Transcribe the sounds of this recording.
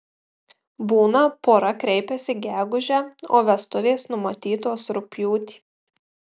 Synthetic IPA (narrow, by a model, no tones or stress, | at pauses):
buːnɐpoːɾɐkɾʲɛɪpʲɛsʲɪɡʲæːɡʊʒʲæːoːʋʲɛst̪ʊʋʲeːsnʊmɐt̪ʲiːt̪oːsɾʊpʲjuːt̪ʲi̥ː